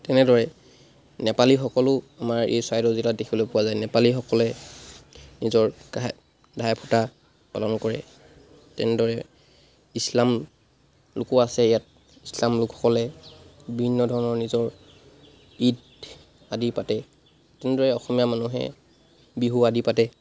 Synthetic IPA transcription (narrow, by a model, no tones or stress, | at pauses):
tɛnɛdɔɹɛ | nɛpalixɔkɔlʊ | amaɹḛjswajdɔziladekʰibɔlojpʊwazajnɛpalixɔkɔlɛ | nizɔɹɡa | dʱajpʰuta | pa̰lɔnkɔɹɛ̰ | tɛnɛdɔɹɛ | islam | lʊkɔasɛjat̚ | islamlʊkxɔ̥kɔlɛbibʱinːɔdʱɔɹɔnɔɹnizɔɹ | id | adipatɛ | tɛnɛdɔɹɛɔxɔmijamanuɦɛ̰ | biɦuadipatɛ